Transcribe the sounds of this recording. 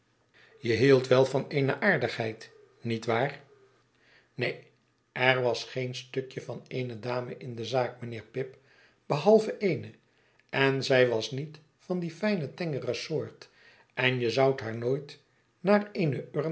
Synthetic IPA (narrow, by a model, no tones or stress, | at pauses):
jəɦilˠtʋɛlˠvɑneɪnəʔaːɹdəχɦɛjt | nitʋaːr | nej | ɛɹʋɑsχejnstɵkjəvɑnejnədaːməʔɪndəzaːk̚mənɪːɹpɪp | b̥əɦɑlˠvəʔejnə | ɛnzɛjʋɑsnit | fɑndifɛjnətɛŋərəsʊːɹt | ʔɛnjəzʌwtɦaːɹnoːjt | naːrejnəøɹ